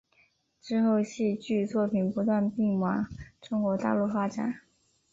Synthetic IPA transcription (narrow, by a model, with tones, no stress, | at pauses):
ʈ͡ʂɻ̩˥˧xo˥˧ʊɕi˥˧t͡ɕy˥˧t͡swɔ˥˩pʰi˨˩npu˧˥t̪wa˥˧npi˥˩ŋmɑ˨˧˥ŋʈ͡ʂʊ˥ŋkwɔ˧˥t̪a̰˥˧lu˥˩fa˥ʈ͡ʂa̰˨˩˦n